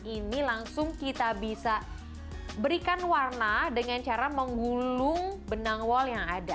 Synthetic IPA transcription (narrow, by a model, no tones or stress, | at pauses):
inilaŋsʊŋkit̪abisa | bəɾikanwarnadəŋant͡ʃaɾaməŋɡulʊŋbənaŋwɔljaŋada